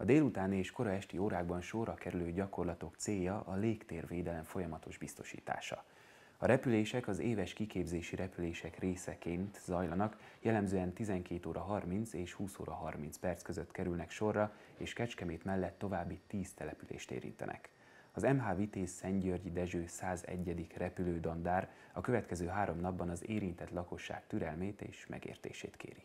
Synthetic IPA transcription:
ɒd̪eːlut̪aːnieːʃko̞ɾɒɛʃt̪ioːɾaːɡbɒnʃo̞rːɒkɛɾyløːɟɒko̞rlɒt̪o̞kt̪seːjːɒʔɒleːkt̪eːrveːd̪ɛlɛɱfo̞jɒmɒt̪o̞ʒbist̪o̞̥ʃḭːt̪a̰ːʃɒ̰ | ɒɾɛpyleːʃɛkɒzeːvɛʃkikeːbzeːʃiɾɛpyleːʃɛkreːsɛkeːnt̪zɒjlɒnɒkjɛlːɛmzøːɛnt̪izɛŋkeːt̪oːɾʔɒɦɒrmint̪seːʃhuːso̰ːɾɒɦɒrmint̪spɛrt̪skøzøt̪ːkɛɾylnɛkʃo̞rːɒeːʃkɛt͡ʃkɛmeːt̪mɛlːɛt̪ːo̞vaːbːit̪iːst̪ɛlɛpylḛːʃt̪ḛːɾḭnt̪ɛ̰nʔɛ̰k | ɒzɛmɦaːvit̪eːsɛɲɟørɟid̪ɛʒøːsaːzɛ̰ɟːɛd̪ikrɛpyløːd̪ond̪aːɾ | ɒkø̞vɛt̪kɛzøːɦaːɾo̞mnɒbːɒnɒzeːɾint̪ɛt̪lɒko̞ʃːa̰ːk̚t̪yɾɛlmeːt̪ḛːʃmɛ̰ɡḛːrt̪ḛːʃḛːt̪kḛːɾi

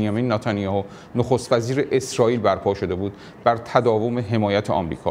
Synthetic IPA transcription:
njɒmiːnnɒt̪ʰɒnijɒho | noxost̪væziːɾeʔesɾɒːiːlbæɾpʰɒːʃo̞d̪e̞buːd̪̚ | bæɾt̪ʰæd̪ɒːvo̞me̞ɦemɒːjæt̪ʰeɒ̰mɾḭːkʰɒ̰

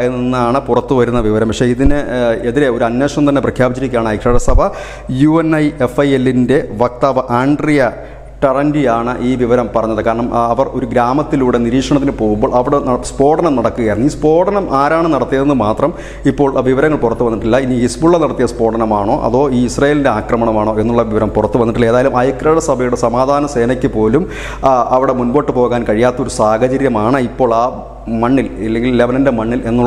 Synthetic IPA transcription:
enːinːaːɳɨpurɐt̪ːuʋɐɾunːɐʋiʋɐɾɐmpɐkʂeiðinɨeðiɾeo̞ɾuɐnːe̞ːʂɐmt̪ɐnːe̞prɐkʰjaːbit͡ɕːɐɾikʲːaːɳɨɐjkʂeːɽɐsɐbʱɐ | juenɐjefɐjelːinde̞ʋɐk̚t̪aːʋɐʔaːɳɖrijɐ | ʈɐrɐndijaːɳɨʔiːʋiʋɐɾɐmpɐrɐɲːɐðɨkaːɾɐɳɐmɐʋɐro̞ɾuɡɾaːmɐt̪ːiluːɽe̞niɾiːkʂɐɳɐt̪ːinɨpo̞ːɣumbo̞ːɭɐʋiɽespo̞ːʈɐnɐmnɐɽɐkːuɣɐjrɐnːiːspo̞ːʈɐnɐmʔaːɾaːɳɨnɐɽɐt̪ːijɐðenːɨmaːt̪rɐm | ipːo̞ːɭʋiʋɐɾɐŋːɐɭpurɐt̪ːuʋɐnːiʈːilːɐiniisbuɭːɐnɐɽɐt̪ːijɐspo̞ːʈɐnɐmaːɳo̞ːʔɐ̰ðo̞ːiːisrɐjelinde̞aːkrɐmɐɳɐmaːɳoːe̞nːuɭːɐʋiʋɐɾɐmpurɐt̪ːuʋɐnːiʈːilːɐeːðaːjɐlumɐjkɾɐɻɐsɐbʱɐjuɽe̞sɐmaːd̪ʱaːnɐse̞ːnɐkʲːɨpo̞ːlum | ɐʋiɽe̞munbo̞ːʈːɨpo̞ːɣaːnkɐɻijaːt̪ːɐo̞ɾusaːhɐt͡ɕɐɾjɐmaːɳɨipːo̞ːɭaː | mɐɳːililːeŋɡilleʋɐnɐndemɐɳːile̞nːuɭː

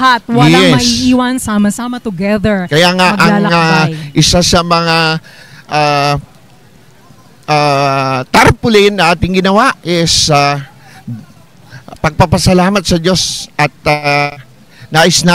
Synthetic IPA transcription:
ɦat̪̚wɐjlɛmɐsiʔiːwɐnsamɐsamɐt̪ʊɡɛðəɹkɐjaːŋaʔɐŋaʔɪsasɐmɐŋaʔa | at̪aɾpʊlɪnːɐʔaːt̪ɪŋɡɪnɐwaʔʔɛsa | pɐɡ̚pɐpɐsɐlaːmɐt̪̚sɐd̪o̞sʔɐt̪̚a | naʔɪsna

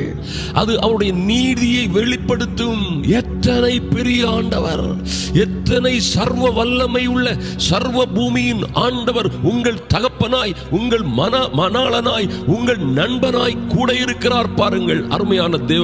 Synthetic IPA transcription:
ʔɐðɯʔɐʋɐɾɯɽɐjɐniːðɪjɐɪʋɛɭɪpːɐɽɯt̪ːɯmɛt̪ːɐnɐɪpɛɾɪjaːɳɖɐʋɐ̰ɾ | ɛt̪ːɐnɐɪsɐɾʋɐʋɐlːɐmɐjɯɭːɐ | sɐɾʋɐbuːmɪjɪnʔaːɳɖɐʋɐɾʊŋɡɐɭt̪ɐɣɐpːɐnaːj | ʊŋɡɐɭmɐnmɐnaːɭɐnaːjʊŋɡɐɭnɐɳbɐnaːjkuːɽɐjɪɾɯkːɪraːɾpaːɾɯŋɡɐɭʔɐ̰ɾɯmɐjaːnɐd̪eː

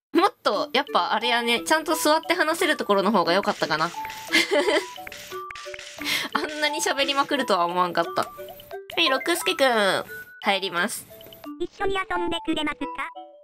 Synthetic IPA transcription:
mo̞t̪ːo̞japːaʔaɾe̞jane̞t͡ɕãnt̪osɨβat̪ːe̞ɦanase̞ɾɯt̪oko̞ɾo̞no̞ɦo̞ːɡajo̞kat̪ːakana | ãnːaɲ̟iɕabe̞ɾʲimakɯ̟ɾɯ̟t̪o̞βaomoãŋkat̪ːa̰oɲiɾo̞kɯsɨ̥kʲekɯ̟̃haiɾʲimasɨ̥iɕːoɲ̟iasomb̪ekɯɾemakɯkːa

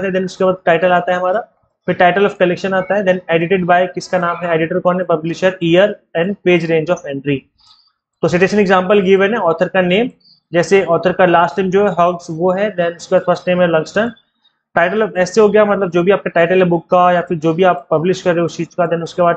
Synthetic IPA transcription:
t̪ɦɛ̃d̪ɛnʊskebaːd̪̚ʈaːɪʈəlaːt̪aɦɛɦɐmaːɾa | fɪɾʈaːɪʈəlɔːfkɐlɛkʃənaːt̪aɦɛd̪ɛ̃neːɖɪʈeɖbaːɪkɪskanãːmɦɛeːɖɪʈəɾkɔ̃ːnɦɛ̃pɐblɪʃəɾijəɾɛ̃ːɳɖpeːd͡ʒɾẽːɲd͡ʒɔːfɛ̃ɳʈɾi | t̪oːsɪʈeːʃə̃nɛɡzãːmpəlɡɪʋɛ̃nɛɔːt̪ʰəɾkaneːm | d͡ʒɛːseɔːɾt̪ʰəɾkalaːsʈãɪmd͡ʒoːɦɛɦɔɡsʋoɦɛd̪ɛnʊskebaːd̪̚fʰɐɾsʈnẽːmɦɛlɐ̃ŋsʈəɾn | ʈaːɪʈəlɛːseɦoːɡɐjamɐt̪ləb̚d͡ʒoːbʱiaːp̚kaʈaːɪʈəlɦɛbʊkːajafɪɾd͡ʒoːbʱiaːpːɐblɪʃkɐɾːẽʊst͡ʃiːd͡ʒkad̪ɛnʊskebaːd̪

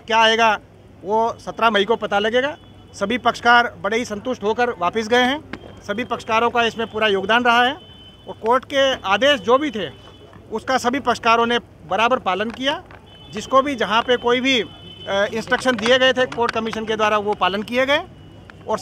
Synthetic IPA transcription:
kjaːɦeːɡa | ʋosɐt̪ɾamɐikopɐt̪alɐɡeːɡaː | sɐbʱipɐkʃə̥kaːɾbɐɽeɦisɐ̃nt̪ʊʃʈɦokəɾʋaːpɪs̬ɡɐeɦɛ̃ːsɐbʱipɐkʃə̥kaːɾõkaɪsmẽpuːɾajoːɡd̪aːnɾɐɦaɦɛː | ɔːɾkoːɾʈkeaːd̪eːʃd͡ʒoːbʱit̪ʰe | ʊskasɐbʱipɐkʃə̥kaːɾõne | bɐɾaːbəɾpaːlənkija | d͡ʒɪskobʱid͡ʒɐɦãpekoːibʱi | ɪ̃nsʈɾəkʃənd̪ieɡɐet̪ʰekoːɾʈ̚kɐmɪʃənked̪waːɾaʋopaːlənkieɡɐe | ɔːɾ

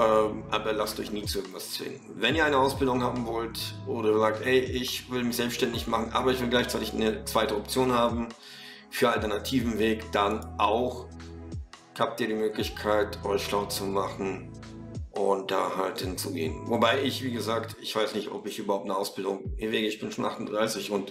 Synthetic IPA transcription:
ʔɛːmʔaːbɐlastʔɔ̰ʏçniːt͡suʔɪɐɡ̩ŋ̩tv̥ast͡sv̥ɪ̰ŋənvɛniːɐaɪnəaʊsb̥ɪldʊŋhaːbm̩vɔltʔoːɾɐzaːk̚thɛɪʔɪçv̥ɪlmɪçz̥ɛlpstʃtɛndɪçmaχn̩ʔa̰ːbɐɪçv̥ɪlɡlaɪçt͡saɪtɪçnət͡sv̥aɪtəɔp̚t͡sjoːnhaːbm̩ | fyːɐaltɛɐnatʰiːvm̩veːkd̥anʔaʊx | haːp̚tiːɐɾiːmøːklɪçkʰaɪtʰʔɔʏçʃlaʊt͡sumaχn̩ | ʔʊnt̚d̥a̰ːhalthɪnt͡suɡḛːənvobaɪɪçv̥iːɡəzaːktɪçv̥aɪsnɪçtɔ̰pɪçʔyːbɐhaʊptnəʔaʊsb̥ɪldʊŋiːɐveːɡəɪçb̥ɪnʃoːnʔa̰χtʊn̩dʁaɪsɪçʊnt

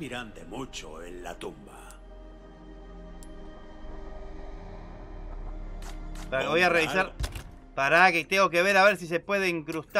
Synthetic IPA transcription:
iɾant̪emut͡ʃoenla̰t̪umba̰ | pβojareβisaɾ | paɾaket̪eŋɡo̞k̬e̞β̞e̞ɾaβe̞ɾs̬is̬e̞pwe̞ð̞eiŋkɾust̪

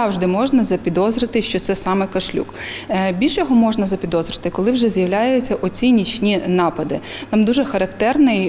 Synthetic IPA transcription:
ɑwʒd̪ɪmɔʒnɐzɐpʲid̪ɔzɾɪt̪ɪʃt͡ʃɔt̪sɛsɑmɛkɐʃlʲṵkbʲilʲʃjɔɦɔmɔʒnɐzɐpʲid̪ɔzɾɪt̪ɪkɔlˠɪwʒɛzjɐwlʲajʊt͡sʲːɐʔɔt͡sʲinʲit͡ʃʲnʲinɑpɐd̪ɪt̪ɑmd̪uʒɛxɐɾɐkt̪ɛrnɪj

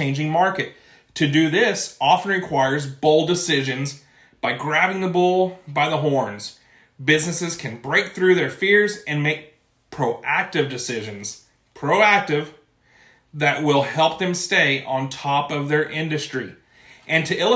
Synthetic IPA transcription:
ẽɪ̃nd͡ʒɪ̃ŋmɑɹkɨtʰ | ɨdɨðɪsɑfn̩ɹɨkʰw̥aɪə˞zboʊlˠdɨsɪʒɨ̃nz | b̥aɪɡɹævɪ̃ŋðəbulˠbaɪðəɦɔɹnz̥ | bɪznɨsɨz̥kʰɨ̃nbɹeɪk̚θɹʉðə˞fɪɹzɨ̃nmeɪk̚ | pʰɹ̥oʊʔæk̚tɨvdɨsɪʒɨ̃nz̥ | pʰɹ̥oʊæk̚tɪv | ðɨʔ̚wɪlˠhɛlˠp̚ðɨ̃msteɪʔə̃ntʰɔpʌvðə˞ʔɪ̃ndɨstɹ̥i | ʔɨ̃ntʰɨʔɪ

